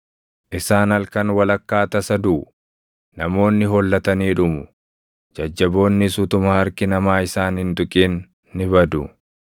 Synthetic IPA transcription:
ʔɪsaːnɐlkɐnwɐlɐkːaːt̪ɐsɐd̪uː | nɐmo̞ːnːɪɦɔlːɐt̪ɐniːᶑʊmʊ | d͡ʒɐd͡ʒːɐbo̞ːnːɪsʊt̪ʊmaːɐɾkɪnɐmaːɪsaːnhɪnd̪ʊkʼiːnː | ɪbɐd̪ʊ̰

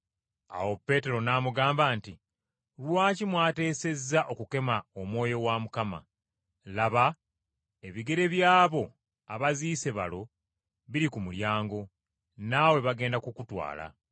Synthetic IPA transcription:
a̰wo̞pːe̞ːte̞ɾo̞naːmuɡaːmbaːnti | lwaːcimwaːte̞ːse̞zːaʔo̞kuke̞maomwo̞ːjo̞wamukama̰ | laβa | e̞βiɡe̞ɾe̞βjaːβo̞ | aβaziːse̞βa̰lo̞ | βiɾikumuljaːŋɡo̞ | nawe̞βaɡe̞ːndakukutwa̰ːla̰

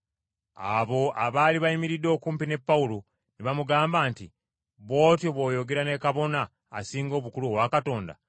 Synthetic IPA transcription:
a̰βo̞ʔaβaːliβaimiɾidːo̞ːkuːmpine̞pːawulo | niβamuɡaːmbaːnti | βo̞ːtjoβo̞ːjo̞ɡe̞ɾane̞kaβo̞na̰ː | siːŋɡo̞ːβukuluowakato̞ːnda̰

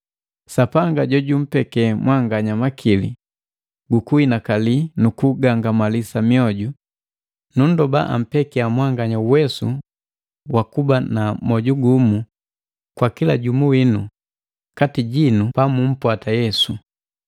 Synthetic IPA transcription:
sapaŋɡaɟɔɟum̩pɛkɛmwʔaŋɡaɲamakʰilḭ | ɡukuinakalinukuɡaŋɡamalisamiɔɟu | nun̩dɔba̰ʔa̰m̩pɛkiamwaŋɡaɲauwɛsṵ | wakubanamɔɟuɡumu | kwakilaɟumuwinu | katiɟinupamum̩pwatajɛsu

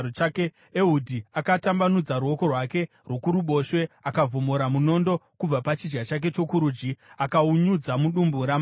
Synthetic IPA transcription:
ot͡ʃake | eɦudʱiakatambanud͡zaɾuo̞ko̞rwake̞ | rwo̞kuɾuɓo̞ʃwe̞akavomoɾamuno̞ndo̞kub͡vapat͡ʃid͡ʒɡat͡ʃak̬e̞t͡ʃo̞kuɾuːd͡ʒiakauɲud͡zamuɗumbuɾam

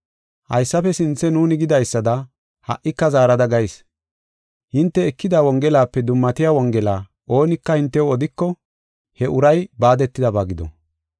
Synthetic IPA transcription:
hɐ̰jsːɐfɛsɪnt͡sːɛnuːnɪɡɪd̪ɐjsːɐd̪ɐ | hɐ̰ʔɪkːɐzaːɾɐd̪ɐɡɐjs | hɪnt̪ːɛːkːɪd̪aːwɔŋɡɛlaːpːɛd̪ʊmːɐt̪ɪjaːwɔŋɡɛla̰ː | ʔo̞ːnɪkːɐhɪnt̪ːɛwɔd̪ɪkːɔ | hɛʔʊɾɐjbaːd̪ɛt̪ːɪd̪ɐbaːɡɪd̪ɔ̰

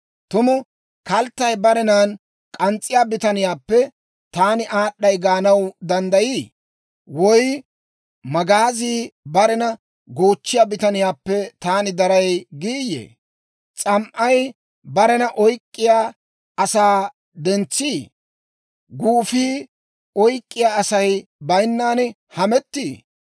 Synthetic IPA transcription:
t̪ʊmʊ | kɐlt̪ːɐjbɐɾɛnaːn | kʼɐnt͡sʼːɪjaːbɪt̪ɐnɪjaːpːɛ | t̪aːnɪʔaːɗːɐjɡaːnɐwd̪ɐnd̪ɐjiː | wɔj | mɐɡaːziːbɐɾɛnɐ | ɡoːt͡ʃːɪjaːbɪt̪ɐnɪjaːpːɛt̪aːnɪd̪ɐɾɐjɡiːjḛː | t͡sʼɐmʔɐj | bɐɾɛnɐʔɔjkʼːɪjaː | ɐsaː | d̪ɛnt͡sːiː | ɡuːfiː | ɔjkʼːɪjaːɐsɐjbɐjnːaːnɛ | hɐmɛt̪ːiː

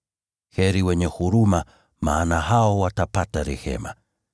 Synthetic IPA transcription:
hɛɾiwɛɲɛhuɾuma | ma̰ːnaɦaɔwatapataɾɛ̰hɛ̰ma̰

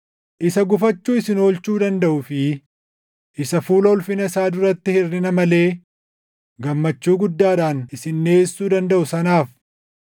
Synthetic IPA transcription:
ʔɪsɐɡʊfɐt͡ʃːuːɪsɪno̞ːlt͡ʃuːd̪ɐnd̪ɐʔʊfɪ | ʔɪsɐfuːlɐɔlfɪnɐsaːd̪ʊɾɐt̪ːɪhɪrːɪnɐmɐle̞ː | ɡɐmːɐt͡ʃːuːɡʊd̪ːaːᶑaːnɪsɪnːe̞ːsːuːd̪ɐnd̪ɐʔʊsɐnaːf

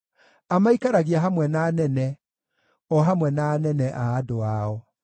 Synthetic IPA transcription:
amaikaɾaɣiaɦamwɛnaːnɛnɛ | ɔɦamwɛnaːnɛnɛʔaːdoaɔ

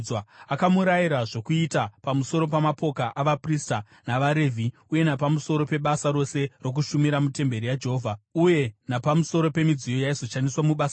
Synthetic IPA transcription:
aakamuɾajiɾaʐo̞kuitapamuso̞ɾo̞pamapo̞kaʔaʋaprista | naʋaɾe̞vʱi | uje̞napamuso̞ɾo̞pe̞ɓasaɾo̞se̞ro̞k̬uʃumiɾamute̞mbe̞ɾijad͡ʒeɦoːvʱauje̞napamuso̞ɾo̞pe̞mid͡zijo̞jaizo̞ʃaniswamuɓas

